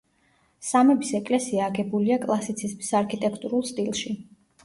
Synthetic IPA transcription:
samɛbisɛkʼlɛsiaːɡɛbuliakʼlˠasit̪sʰismisaɾkʰit̪ʼɛkʰt̪ʼuɾulˠst̪ʼilˠʃi

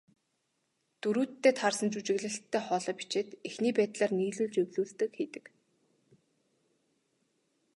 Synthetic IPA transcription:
t̪uɾuːt̪ːeːt̪ʰarsə̆nt͡ɕut͡ɕɪ̆ɣɮɘ̆ɬt̪ʰːæːχɔːɮɔːpi̥t͡ɕeːt̪exniːpæːt̪ɮaːrniːɮuːɮt͡ɕewɮuːɮt̪ɘ̆kxet̪ɘ̆k

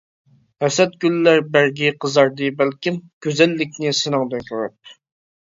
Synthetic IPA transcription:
hɛsɛt̪̚ɡʲylːæɾbæɾɡʲiqʰəzɑɾd̪ɨbælkʲimkʲʰøzɛlːɪk̚ʲnɪsɪnɨŋd̪ɛjk̪ʰoɾɑt̚

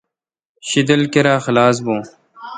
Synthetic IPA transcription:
ɕid̪ɐlkeɾaːxɐlaːs̬bõː

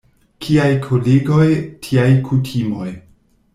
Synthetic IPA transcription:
kʰiajkʰoleɡo̞jtʰiajkʰutʰimo̞j

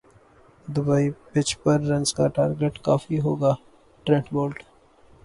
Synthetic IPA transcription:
d̪ʊbaːipɪt͡ʃpɐɾːɐ̃nskaʈaːɾɡeʈkaːfiɦoːɡaː | ʈɾɛ̃ːʈboːlʈ

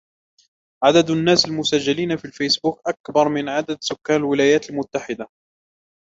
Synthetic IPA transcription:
ʕad̪ad̪anːaːsalmʊsad͡ʒːaliːnafiːlfejsbuːkʔakbɑɾˤmɪnʕad̪ad̪sʊkːaːnalwɪlaːjaːt̪almʊt̪ːaħɪd̪a

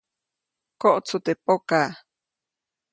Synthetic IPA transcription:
koʔt͡sʰut̪epoka

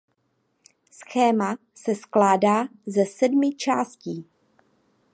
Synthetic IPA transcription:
sxɛːma | sɛsklaːdaːzɛsɛdmɪt͡ʃaːsciː

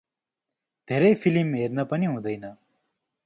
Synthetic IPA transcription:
d̪ʱeːɾəjpʰilimeːɾnapəniɦũːd̪əjna

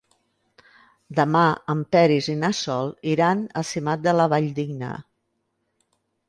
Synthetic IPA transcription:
d̪əmaəmpɛɾizinasɔlˠiɾanəsimat̪̚d̪ələβaʎd̪iɡnə̰

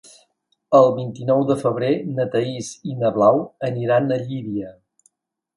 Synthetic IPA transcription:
əlˠβint̪inɔwðəfəβɾenət̪əizinəβlawəniɾanəʎiβiə

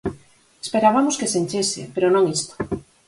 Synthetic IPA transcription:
espeɾaβamoskesenʲt͡ʃesɪ̰peɾonõŋist̪o̥

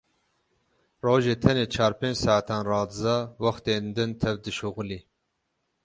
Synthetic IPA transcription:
roːʒeːt̪ʰɛneːt͡ʃʰɑːɾpʰeːnd͡ʒsaʕat̪ʰɑːnrɑːd̪ɨzɑwɑxt̪eːnd̪ɨnt̪ʰɛvd̪ɨʃuɣliː

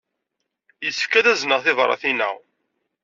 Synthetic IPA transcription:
jəsəfkæðæznəʁθɪvɾˤːɑ̰θinə̰w

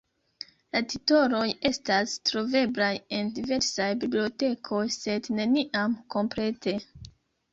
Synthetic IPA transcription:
latito̞ɾo̞je̞stastɾo̞ve̞blaje̞ndive̞ɾsajbiblio̞te̞kʰo̞jse̞dne̞niʔamko̞mpɾe̞te̞

